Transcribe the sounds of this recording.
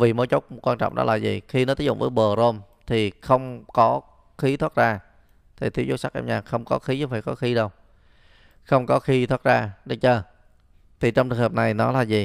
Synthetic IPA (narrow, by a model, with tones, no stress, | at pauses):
vi˨˩mo˨˦jt͡ɕo˦˥wk͡p̚kwaː˧nt͡ɕɔ̰˧˨ŋ͡mʔɗɔ̰˨˦laː˨˩zḭ˨˩xi˧nɔ˨˦i˦˥zʊ̰˧˨ŋ͡mvəː˨˦jɓəː˨˩əzo˧m | t̪ʰi˨˩xə˧wŋ͡mkɔ˨˦ | xi˨˦t̪ʰwa˦˥t̚zaː˧ | t̪ʰi˨˩t̪ʰi˨˦wzo˦sa˦˥k̚ʔɛ̰˧mɲaː˨˩xə˧wŋ͡mkɔ˨˦xi˨˦zə˨˦faː˧˩kɔ˨˦xi˨˦ɗə˧w | xə˧wŋ͡mkɔ˨˦xi˨˦t̪ʰwaː˦˥t̚zaː˧ɗe˧˦t͡ɕəː˧ | t̪ʰi˨˩t͡ɕɔ˧ŋ͡mt͡ɕɨ˨˩ŋhəː˨˩na˨˩jnɔ˨˦laː˨˩zi˨˩